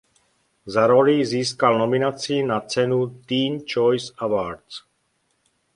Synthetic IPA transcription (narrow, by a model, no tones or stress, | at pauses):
zaɾoliziːskalnominat͡sinat͡sɛnut̪iːnt͡ʃojsavaɾt͡s